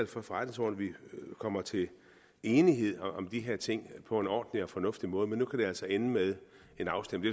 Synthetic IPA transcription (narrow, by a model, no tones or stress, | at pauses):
æl̰fɒ̽fɒʁad̥ne̝ŋsɒ̰ːn̩ʋikʰɒ̽m̰ɐt͡sʰe̝l | e̝ːniɦe̝ð̞̰ˠɒ̽md̥iɦe̝ɐt͡sʰe̝ŋ̰pʰɒ̽e̝nɒ̰ːd̥n̩iɒ̽fɒ̽nɔ̽fd̥imɔ̽ːð̞̩ˠmenːukʰæd̥e̝æl̰sɒenəmeð̞ˠ | e̝nɑ̈ʊsd̥em̰̩d̥e